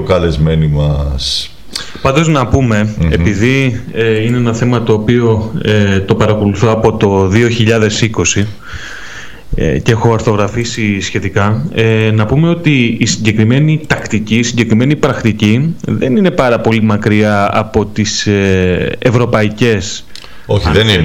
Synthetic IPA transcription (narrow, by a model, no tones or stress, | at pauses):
kɐlezmenimɐs | pɐnd̪o̞znɐpume̞ːpiðieine̞enɐθe̞mɐt̪o̞ːpio̞et̪o̞pɐɾɐko̞luθo̞ɐpo̞t̪o̞ðio̞çiʎɐðe̞siko̞si | ḛcexo̞ɐɾθo̞ɣɾɐfisisçe̞t̪ikɐenɐpume̞o̞t̪iːsiɲɟe̞kɾime̞nit̪ɐkt̪icisiɲɟe̞kɾime̞nipɾɐkt̪iciðe̞̰nine̞pɐɾɐpo̞limɐkɾiɐɐ̰po̞t̪iseevɾo̞pɐice̞s | oeni